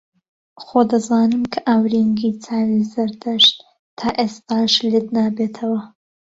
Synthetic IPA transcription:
xod̪ɐzaːnɨmkʰɐʔawɾiŋɡiːt͡sʰaːwizɐɾd̪ɐʃt̪ | t̪ʰaːʔeːst̪aːʃlɨd̪naːbeːt̪ʰɐwɐ

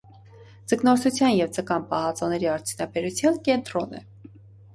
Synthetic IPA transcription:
d͡zəknɔɾsʰut͡sʰjɑnjɛvt͡səkɑnpɑhɑt͡sɔnɛɾiɑɾt͡sʰjunɑbɛɾut͡sʰjɑnkɛnt̪ɾɔnɛ̰

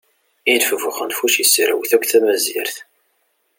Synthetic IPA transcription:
idfəvəχənfuʃjəsːɾə̰wθækʷːθæmæzḭɾθ

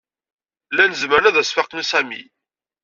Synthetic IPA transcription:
lænəzməɾnæðæsfɑqnsæmḭ

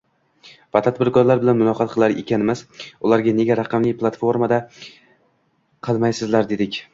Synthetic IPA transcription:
vat̪ʰad̪̚bɪɾkɒɾlaɾbɪlanmʊnɒqʰɑt̪̚qʰɨlˠaɾe̞̰kʲʰanɪmɪzʊlˠaɾɡʲane̞ɡʲaɾaqʰɑmlɪjplˠat̪fo̞ɾmad̪a | qʰɨlˠmajsɪzlaɾd̪e̞d̪ɪkʲ

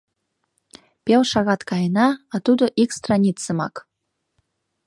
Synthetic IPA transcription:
pʲelˠʃɑɣɑt̪kɑjənɑɑt̪ud̪ə̆ʔikst̪rɑnʲit̪t͡sːə̆mɑ̰k

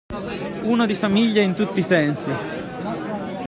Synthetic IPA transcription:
uːnad̪ifamiʎːaint̪ut̪ːisɛnsi

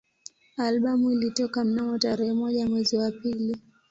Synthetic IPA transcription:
alɓamuilitɔkam̩namɔtaɾɛhɛmɔʄamwɛziwapili

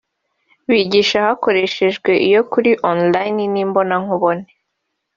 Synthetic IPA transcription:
βiːɟiːʃahako̞ɾe̞ʃe̞ʒɡwe̞ʔijo̞kuɾiʔonlajniniːmbo̞naŋuβo̞ne

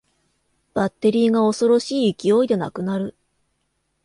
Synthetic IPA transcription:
b̥at̪ːe̞ɾʲiːɡao̞so̞ɾo̞ɕiːɯkʲio̞id̪e̞na̰kɯ̟naɾɯ̟

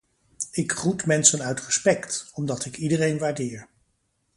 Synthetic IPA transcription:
ɪkrutmɛnsənœɥtrəspɛktɔmdɑtɪkidərejnʋaːɹdɪːɹ

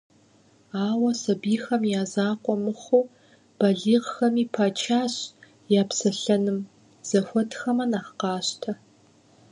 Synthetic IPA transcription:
aːwɐsɐbiːxɐmjaːzaːqʷʼɔmɨχʷuː | b̥ɐɮiːʁxɐmiːpʰaːt͡ʃʰaːɕ | jaːpsɐɬɐnɨm | z̥ɐxʷɔtxɐmɐnaːχqɑːɕtʰɐ

